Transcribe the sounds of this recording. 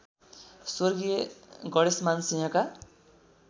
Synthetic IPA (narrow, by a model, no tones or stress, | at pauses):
sorɡijeɡʌɽesmansĩɦʌ̃ka